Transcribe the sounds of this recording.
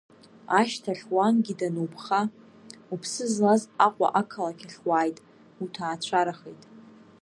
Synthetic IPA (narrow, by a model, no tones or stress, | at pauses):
aʃtʰaɬwanɡʲidanowpʰχa | upʰsɨzlazaqʷʼa̰ʔakʰalakʲʰaɬwaːjtʼ | utʰaːt͡ɕʷʰaɾaχejtʼ